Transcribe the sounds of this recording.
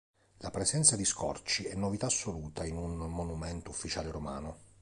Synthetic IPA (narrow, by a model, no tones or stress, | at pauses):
lapɾesɛnt̪sad̪iskʰɔ̰rt͡ʃiɛnːovit̪aːsːoluːt̪ʰainunmonumɛnt̪oufːit͡ʃaːleɾomaːno